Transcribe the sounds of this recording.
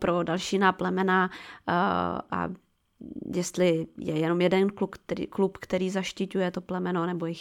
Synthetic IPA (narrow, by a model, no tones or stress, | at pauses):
pɾodalʃiːnaplɛmɛna | ʔa̰ | jɛst̪lɪjɛjɛno̞mjɛdɛnkluktːklupkt̪ɛɾiːzaʃcɪcujɛt̪o̞plɛmɛnoanɛbojɪx